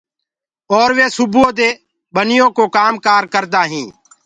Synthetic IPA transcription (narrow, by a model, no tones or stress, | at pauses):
ɔːɾʋeːsʊbõːd̪eː | bənɪjõːkoːkaːmkaːɾkəɾd̪aːɦĩː